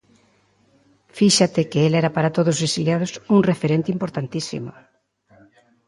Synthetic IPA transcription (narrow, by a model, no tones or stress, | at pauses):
fiʃat̪ɪkeelɛɾapaɾat̪oðozβesiljað̞osuŋrefeɾent̪ɪimpoɾt̪ant̪isḭmo̰